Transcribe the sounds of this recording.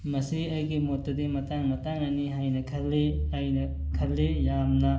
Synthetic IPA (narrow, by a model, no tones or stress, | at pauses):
mɐsiɐjɡimotːɐdimɐtaŋmɐtaŋnɐniɦajnɐkʰɐlːiɐjnɐ | kʰɐlːijamnɐ